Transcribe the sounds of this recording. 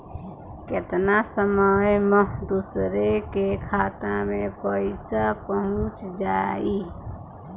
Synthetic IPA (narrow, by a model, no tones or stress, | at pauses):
kɪt̪nasəməjməɦd̪usɾekekʰaːt̪amẽpəɪsapəɦʊ̃t͡ʃd͡ʒaːiː